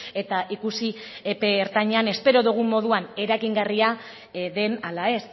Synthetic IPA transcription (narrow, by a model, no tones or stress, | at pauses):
e̞t̪aʔikusiepe̞ːɾt̪aɲeane̞spe̞ɾo̞ðuɣ̞umːo̞ð̞uane̞ɾajɣiŋɡaria | ðe̞nalae̞s